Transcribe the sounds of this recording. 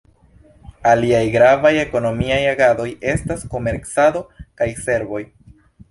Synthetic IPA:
aliajɡɾavaje̞ko̞no̞miajaɡado̞je̞stasko̞me̞ɾksado̞kajse̞ɾvo̞j

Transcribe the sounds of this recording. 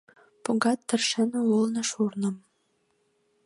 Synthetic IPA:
puɡɑt̪ːərʃənəulnə̆ʃurnəm

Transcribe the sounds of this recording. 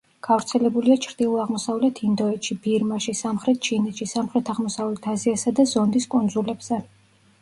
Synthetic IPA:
ɡ̥avɾt̪sʰɛlɛbuliat͡ʃʰɾd̪̥ilˠuaʁmɔsavlɛt̪ʰind̪ɔɛt̪ʃib̥iɾmaʃisamχɾɛt̪̚ʰt͡ʃʰinɛt̪ʃisamχɾɛt̪ʰaʁmɔsavlɛt̪ʰaziasad̪azɔnd̪iskʼɔnd̪zulɛbz̥ɛ

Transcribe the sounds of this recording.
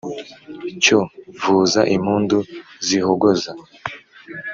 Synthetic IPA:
covuːzaʔimuːnduzihoɡoza

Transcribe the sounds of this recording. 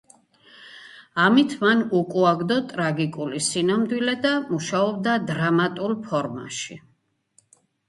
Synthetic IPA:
amit̪ʰmanukʼuaɡd̪ɔt̪ʼɾaɡikʼulisinamd̪wilɛd̪amuʃaɔb̚d̪ad̪ɾamat̪ʼulˠpʰɔɾma̰ʃi

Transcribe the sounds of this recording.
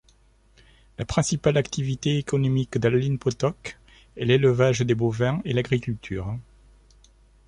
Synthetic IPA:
lapχɛ̃sipalakt̪ivit̪eekɔnɔmikd̪allinpɔt̪ɔk | ɛleləvaʒd̪ebovɛ̃elaɡʁikʲylt̪ʰyːʁ

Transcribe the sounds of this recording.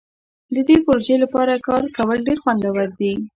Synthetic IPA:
d̪əd̪epoɾoʒelapɑɾakɑɾkawəlɖeɾxwand̪awəɾd̪i

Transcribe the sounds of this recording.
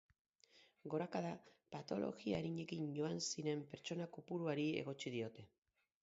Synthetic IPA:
ɡo̞ɾakaðapat̪o̞lʔo̞̰ɣiaɾiɲe̞kiɲʝo̞ansiɾe̞mpe̞ɾt͡ʃo̞nakupuɾuaɾie̞̰ɣ̞o̞t͡ʃið̞io̞t̪e̞

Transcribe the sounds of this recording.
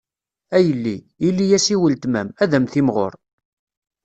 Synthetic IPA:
æjəlːi | ilːijæsiwəlt̪mæmæðæmθimʁo̰ɾ

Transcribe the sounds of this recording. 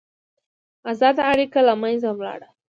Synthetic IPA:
azɑd̪aaɽikalamanzamlɑ̰ɽa

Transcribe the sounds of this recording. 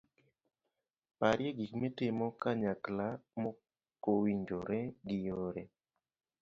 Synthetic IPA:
paɾjeɡikmetɪmɔkaɲaklamɔ | kowiɲd͡ʒoɾɛɡɪjoɾɛ

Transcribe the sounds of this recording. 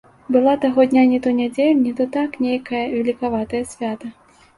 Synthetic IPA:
bɨlˠat̪aɣɔd̪ʲnʲanʲɛt̪ɔnʲad͡zʲelʲnʲit̪ɔt̪aknʲejkɐjɐvʲɛlʲikavat̪ɐjɐsʲvʲat̪ɐ

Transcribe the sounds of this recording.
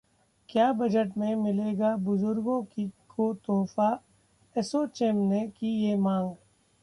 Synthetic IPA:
kjaːbɐd͡ʒəʈmẽmɪleːɡabʊzʊɾɡõkikʰot̪oːfa | ɛsoːt͡ʃemnekijemãːŋɡ

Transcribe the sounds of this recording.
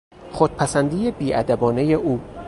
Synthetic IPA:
χod̪̥̚pʰæsænd̪iːje̞biːʔæ̰d̪æbɒːne̞jeʔuː

